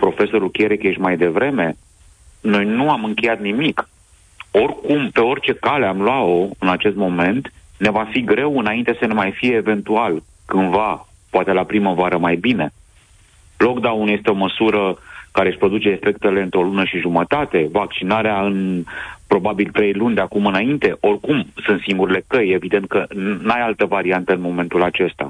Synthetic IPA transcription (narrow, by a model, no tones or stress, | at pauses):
pɾo̞fe̞so̞ɾulkʲeɾekjeʃʲmajd̪e̞vɾe̞me̞ | no̞jnuamɨŋkʲe̞jat̪nimik | o̞rkumpe̞o̞rʲt͡ʃe̞kale̞amlwao̞ɨnat͡ʃe̞st̪mo̞me̞nt̪ne̞vafiɡɾe̞wɨnaint̪esəne̞majfije̞ːve̞nt̪ual | kɨnva | poat̪e̞lapɾiməvaɾəmajbine̞ | lo̞kd̪aunuje̞st̪eo̞məsuɾəkaɾe̞ʃʲpɾo̞d̪ut͡ʃe̞ːfe̞kt̪e̞le̞ɨnt̪ɾo̞lunəʃiʒumət̪at̪e̞vak̚t͡ʃinaɾeaɨnpɾo̞babilt̪ɾe̞jlunʲd̪eakumɨnaint̪e̞ʔo̞rkumsɨnt̪siŋɡuɾile̞kəje̞vid̪e̞nt̪̚kənajalt̪əvaɾiant̪əɨnmo̞me̞nt̪ulat͡ʃe̞st̪a̰